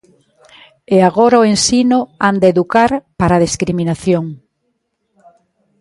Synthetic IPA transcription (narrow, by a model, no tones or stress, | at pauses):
eaɣoɾaoensinʊand̪eðukaɾpaɾaðiskɾiminaθjoŋ